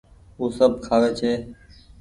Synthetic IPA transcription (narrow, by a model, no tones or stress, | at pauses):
ɦuːsəbkʰaːʋeːt͡ʃʰeː